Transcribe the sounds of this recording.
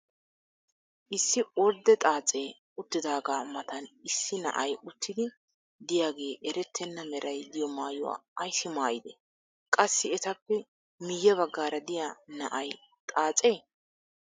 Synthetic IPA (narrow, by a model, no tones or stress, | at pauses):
ʔɪsːɪɔɾd̪ɛt̪ʼaːt͡sʼe̞ː | ʊt̪ːɪd̪aːɡaːmɐt̪ɐnɪsːɪnɐ̰ʔɐjʊt̪ʰːɪd̪ɪ | d̪ɪjaːɡe̞ːʔɛɾɛt̪ʰːɛnːɐmɛɾɐjd̪ɪjɔmaːjʊwa̰ːɐjsɪmaːjɪd̪ɛ̰ | kʼɐsːɪɛt̪ɐpːɛ | mɪjːɛβɐɡːaːɾɐd̪ɪjanɐ̰ʔɐj | t̪ʼaːt͡sʼe̞ː